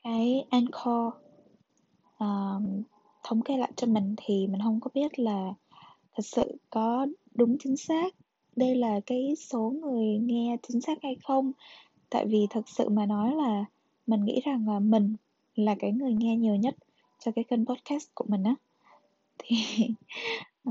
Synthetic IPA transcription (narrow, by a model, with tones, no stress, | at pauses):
kaː˨˦jʔa˧nxɔ˧ | ʔəː˨˩ | t̪ʰə˧wŋ͡mke˨˦la̰ː˧˨jt͡ɕɔ˧mï˨˩ŋ̟t̪ʰi˨˩mï˨˩ŋ̟hə˧wŋ͡mkɔ˨˦ɓi˦˥ət̚laː˨˩ | t̪ʰə˨˩t̚sɨ̰˧˨kɔ˨˦ɗʊ˨˦ŋ͡mt͡ɕï˨˦ŋ̟saː˦˥k̚ | ɗə˧jlaː˨˩kaː˨˦jso˨˦ŋɨ˨˩əjŋɛ˧t͡ɕï˨˦ŋ̟saː˦˥k̚ha˧jxə˧wŋ͡m | t̪a̰ː˧˨jvi˨˩t̪ʰɨ˨˩t̚sɨ̰˧˨maː˨˩nɔ˨˦jlaː˨˩ | mï˨˩ŋ̟ŋḭ˧˥za˨˩ŋlaː˨˩mï˨˩ŋ̟ | laː˨˩kaː˨˦jŋɨ˨˩əjŋɛ˧ɲi˨˩əwɲə˦˥t̚ | t͡ɕɔ˧kaː˨˦jkə˧npɔ˦˥t̚ka˦˥st̚ku˧˩əmï˨˩ŋ̟ʔaː˨˦ | t̪ʰi˨˩